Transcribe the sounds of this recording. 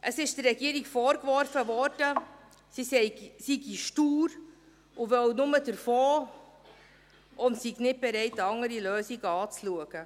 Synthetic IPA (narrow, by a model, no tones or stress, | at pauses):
ʔəsɪʃdərɛɡiəɾikfɔːɾkvɔɾfəvɔɾd̥ə | sisɛɪsiɡiʃtuːɾ | ʊvœwnʊmədəɾfoː | ʔʊntsiɡnɪt̚b̥ɛɾɛɪtɑŋəɾiløːsiɡəɑːt͡sluəɡ̥ə